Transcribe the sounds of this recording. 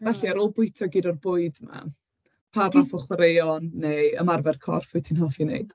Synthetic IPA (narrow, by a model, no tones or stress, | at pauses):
vɛɬiaɾɔlˠbʊɨtʰɔɡiːdɔrbʊɨdma̰ | pʰarlafɔχwaɾejɔnːeəmarvɛrkʰɔ̰rfʊtʰinɦɔfinḛɨd̥